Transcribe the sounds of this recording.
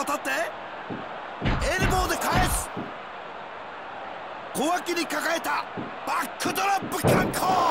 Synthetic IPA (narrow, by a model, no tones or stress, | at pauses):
ot̪at̪ːe | eɾimoːd̪ekaes | kowakʲiɲʲikakaet̪a | b̥akːɯt̪oɾapːɯkʲãŋkʰo